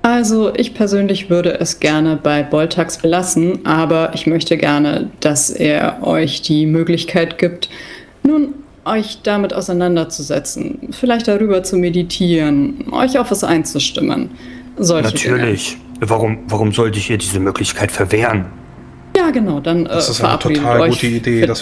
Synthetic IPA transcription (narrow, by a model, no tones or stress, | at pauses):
ʔalzoʔɪçpʰɛɐzøːnlɪçv̥ʏɐɾəʔɛsɡ̥ɛɐnəbaɪbɔltʰaksb̥əlasn̩ʔaːbɐʔɪçmœçtʰəɡɛɐnə̰d̥asʔḛːɐʔɔ̰ʏçd̥iːmøːklɪçkʰaɪtɡ̥iːp̚t | nuːn | ʔɔʏçd̥amɪtʔa̰ʊsaɪnandɐt͡suzɛ̰t͡sn̩fɪlaɪçt̚d̥aʁyːbɐt͡sumeditʰiːʁənʔɔ̰ʏçaʊxv̥asʔa̰ɪnt͡suʃtɪ̰mə̰n | zɔlnattʰyːɐlɪç | vaʁʊmvaʁʊmzɔltɪçiːɐdiːzəmøːklɪçkʰaɪtfɛɐveːʁən | jaːɡənaʊdanʔɛ̰ːfɛɐʔa̰pʁiːdəɔʏtəideː